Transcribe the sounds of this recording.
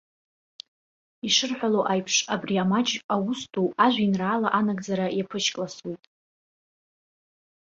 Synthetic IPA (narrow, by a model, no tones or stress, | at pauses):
iʂɨrħʷᶣaloʔajpʰʂabriamad͡ʒawʊstʼʰuaʒʷinraːlaʔanaɡʼd͡zaɾajapʰɨʃkʼlaswejtʼ